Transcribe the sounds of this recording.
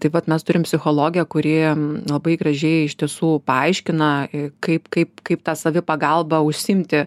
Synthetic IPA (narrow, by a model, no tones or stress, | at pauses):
t̪ɐɪʋɐt̪mʲɛst̪ʊɾʲɪmpʲsʲɪxoːlˠoːɡʲɪjɛkʊɾʲiːlˠɐbɐɪɡrɐʒʲɛɪɪʃʲt̪ʲiɛsuːpɐɐɪʃʲkʲɪnɐɪkɐɪpkɐɪpkɐɪp̚t̪ɑːsɐʋʲɪpɐɡɐlˠbɐʊʃʲsʲɪmʲt̪ʲɪ